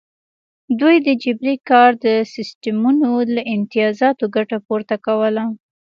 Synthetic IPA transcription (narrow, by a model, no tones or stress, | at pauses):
d̪ujd̪əd͡ʒɪbɾikɑɾd̪əsɪsʈamunolaʔɪnt̪ijɑzɑt̪oɡaʈapoɾt̪akawəla